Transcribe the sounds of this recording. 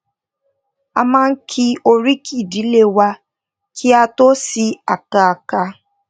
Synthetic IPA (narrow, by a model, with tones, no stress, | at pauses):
a˧mãː˦˧n̩˦kʰi˧o˧ɾi˦kʰi˦˨di˨˦le˦˨wa˧ | kʰi˦a˧to˦si˧a˨ka˧a˨ka˧